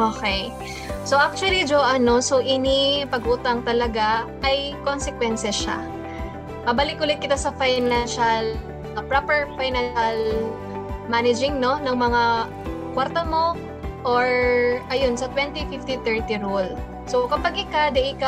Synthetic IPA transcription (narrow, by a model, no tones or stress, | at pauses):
ʔokɛj | soʔak̚t͡ʃʊwɐlid͡ʒoʔɐno̞soʔɪnipɐɡʔuːt̪ɐŋt̪ɐlɐɡaʔɐjkonsɛkwɛnsɛʃa̰ | mɐbɐlɪkʔʊlɪt̪̚kɪt̪asɐfajnanʃɐl | ʔpɹapɛɹfajnanʃɐl | manɪd͡ʒɪŋno̞nɐŋmɐŋa | kwaɾt̪ɐmo̞ | ʔoɹʔɐjonsɐt̪wɛnt̪ifɪft̪it̪ɛɹt̪iɹol | sokɐpaɡʔɪkad̪ɛʔɪka